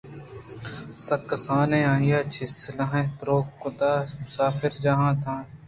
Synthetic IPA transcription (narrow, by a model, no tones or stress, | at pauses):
sɐkːɐsaːnẽːãːijaːt͡ʃʰisɪlɐ̃ɦẽt̪ɾoːkːʊt̪aːmʊsaːfɪɾd͡ʒɐɦãːd̪ʰãː